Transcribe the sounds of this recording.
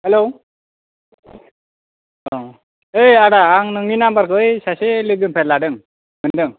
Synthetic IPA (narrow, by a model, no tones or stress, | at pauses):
hɛlo | ɔ | ejaɽaːŋnɯŋinambaɾkɯjsaselɯɡɯnpʰɛladɯŋ | mɯndɯŋ